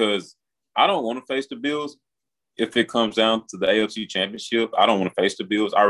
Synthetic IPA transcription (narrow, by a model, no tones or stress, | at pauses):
ʌz | aɪɾõʊ̃nʔwɑ̃nəfeɪstɨbɪlˠz | ɨfɨt̚kʰʌ̃mzdãʊ̃ntʰəðieɪɛfsit͡ʃʰæ̃mpiɨ̃nʃɪp̚aɪɾõʊ̃nʔwɑ̃nəfeɪstɨbɪlˠza̰ɪ